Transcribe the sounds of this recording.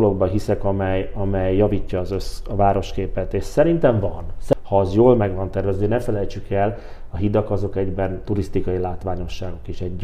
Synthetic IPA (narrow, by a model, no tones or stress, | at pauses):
lo̞ɡbɒɦisɛkɒmɛjɒmɛjːɒviːcːɒːzøsɒvaːɾo̞ʃkeːpɛt̪eːʃsɛɾint̪ɛɱvɒnshɒzjoːlmɛɡʋɒnt̪ɛrvɛzvønɛfɛlɛjt͡ʃykɛl | ɒɦid̪ɒkɒzo̞kɛɟbɛnt̪uɾist̪ikɒjilaːt̪ʋaːɲo̞ʃːaːɡo̞kiʃɛɟ